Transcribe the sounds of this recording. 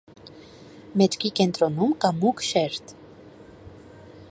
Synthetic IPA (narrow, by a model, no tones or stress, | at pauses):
mɛt͡ʃʰkikɛnt̪ɾɔnumkɑmukʰʃɛɾt̪